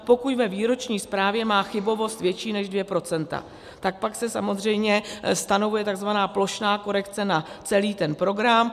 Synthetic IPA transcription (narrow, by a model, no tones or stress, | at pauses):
po̞kucvɛviːɾo̞t͡ʃɲiːspɾaːvjɛmaːxɪbo̞vo̞st̪vjɛt͡ʃiːnɛʒdvjɛpɾo̞t͡sɛnt̪a̰ | t̪ak̚paksɛsamo̞zr̝ɛjmɲɛst̪ano̞vujɛt̪aɡzvanaːplo̞ʃnaːko̞ɾɛkt͡sɛnat͡sɛliːt̪ɛnpɾo̞ɡɾam